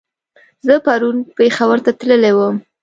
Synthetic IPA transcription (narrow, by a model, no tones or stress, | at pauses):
zəpaɾunpexawəɾt̪at̪ləlewəm